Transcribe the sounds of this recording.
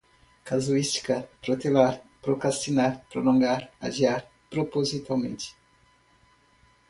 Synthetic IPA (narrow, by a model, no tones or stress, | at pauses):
kazuist̪i̥kɐpɾot̪elaɾpɾokɾast̪inaɾpɾolõŋɡaɾa̰ʒiaɾ | pɾopozit̪awmẽnt̪ɪ̥